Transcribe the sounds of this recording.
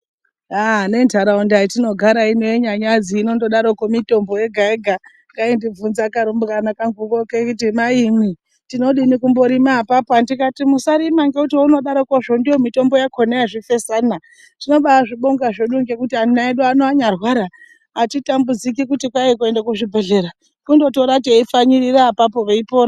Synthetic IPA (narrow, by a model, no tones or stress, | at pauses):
ane̞ntaɾaundaitino̞ɡʱaɾainojeɲaɲad͡ziːno̞ndoɗaɾokomito̞mbo̞je̞ɡʱaeɡʱa | ŋɡaindib͡vunzakaɾumbkanakaŋɡukokekutimaimi | tino̞ɗinikumbo̞ɾimapapandikatimusaɾimaŋɡeutiuno̞ɗaɾokoʐondijo̞mito̞mbo̞jakʰoneaʐife̞sana | tino̞ɓaaʐiɓoŋɡaʐeɗuŋɡekutianinaeɗuanoaɲarwaːɾaː | titambud͡zik̬ikutikwaekoe̞ndakuʐibʱe̞ɮe̞ɾa | kundo̞to̞ɾautieifaɲiriraːpapo̞ʋeipo̞ːɾa